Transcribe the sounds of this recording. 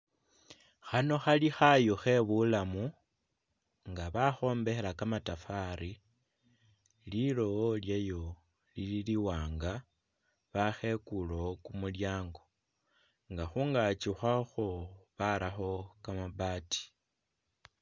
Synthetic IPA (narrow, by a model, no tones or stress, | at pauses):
xano̞xalixajoxe̞βulamu | ŋɡaβaxo̞ːmbe̞xelakamatafaɾi | lilo̞ljejo̞ | lililiwaːŋɡa | βaxe̞kulo̞kumuljaːŋɡo̞ | ŋɡaxuːŋɡat͡ʃixwaxoβaɾaxo̞kamabaːti̥